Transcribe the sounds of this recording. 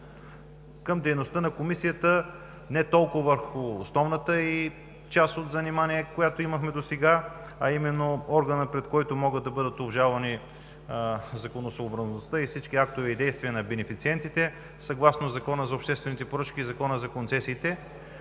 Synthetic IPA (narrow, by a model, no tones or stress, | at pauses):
kəmd̪ɛjnost̪ənɐkomisijət̪ə | nɛt̪ɔlˠkʊvɐvəɾxʊːsnɔvnət̪əi | t͡ʃasot̪zɐnimaniɛkojat̪oiməxmɛd̪osɛɡa | ɐimɛnːoɔɾɡənəpɾɛt̪kɔjt̪omɔɡəd̪̚ɐbɤd̪ət̪obʒalˠvɐni | zɐkonosoːbɾəznost̪əifsit͡ʃkiak̚t̪ʊvɛid̪ɛjst̪viɛnɐbɛnɛfit̪siɛnt̪it̪ɛ | sɐɡlˠasnozɐkɔnəzɐopʃt̪ɛst̪vɛnit̪ɛpoɾɤt͡ʃkiːzɐkɔnəzɐkont̪sɛsiːt̪ɛ